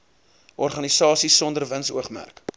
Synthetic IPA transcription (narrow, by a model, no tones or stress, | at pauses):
ʔɔrχɐnisɑːsisːɔndərvənsuəχmæ̰rk